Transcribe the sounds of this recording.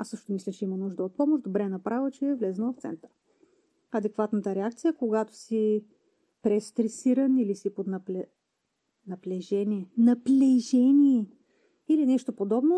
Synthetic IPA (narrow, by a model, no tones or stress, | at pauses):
asɤʃt̪omislʲət͡ʃɛimənuʒd̪əot̪̚pɔmoʒd̪obɾɛnɐpɾavət͡ʃɛːvlɛznəvɐft̪sɛ̰nt̪əɾ | ɐd̪ɛkvat̪nət̪əɾɛakt̪sijəkoɡat̪o̥si | pɾɛst̪ɾɛsiɾənilisipod̪nɐpɛ | nɐplɛʒɛniɛnɐplɛʒɛnʲiɛ | ilinɛʃt̪opod̪ɔbno